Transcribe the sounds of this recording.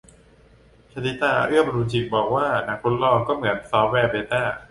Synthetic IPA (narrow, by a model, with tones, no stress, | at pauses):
t͡ɕʰa˧t̪iː˦˥t̪aː˧ɾɯ˥˩əmɾuː˧t͡ɕi˨˩k̚bɔː˨˩k̚waː˥˩na˨˩˦kʰo˧˥nlɔː˧kɔː˥˩mɯ˩˦ənsɔː˦˥p̚wɛː˧beː˧t̪aː˥˩